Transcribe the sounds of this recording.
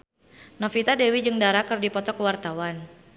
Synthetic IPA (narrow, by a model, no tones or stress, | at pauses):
nɔfit̪adewid͡ʒɨŋdaɾakɨrdipɔt̪ɔkəwart̪awan